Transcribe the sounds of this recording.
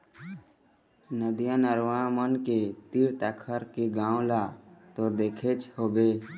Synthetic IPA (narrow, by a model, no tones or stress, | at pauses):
nəd̪ijãnəɾʋamənket̪iɾt̪əkʰəɾkeɡãːõlat̪od̪eːkʰet͡ʃhoːbeː